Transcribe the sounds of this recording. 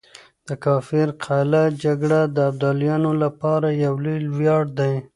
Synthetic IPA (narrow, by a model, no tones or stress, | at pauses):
d̪̥əkɑfɪɾqʰalad͡ʒaɡɽad̪əːb̚d̪ɑljɑnolapɑɾajawlejlwjɑɽd̪aj